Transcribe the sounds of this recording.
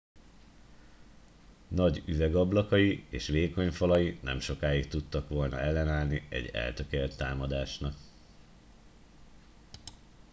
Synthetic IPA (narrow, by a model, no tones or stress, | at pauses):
nɒɟyvɛɡɒblɒkɒjieːʃʋeːko̞ɲfɒlɒjinɛ̰mʃo̞kaːjik̚t̪ut̪ːɒkʋo̞lnɒ̰ɛlːɛnaːlniɛ̰ɟːɛ̰lt̪ø̞kelt̪ːaːmɒd̪aːʃnɒk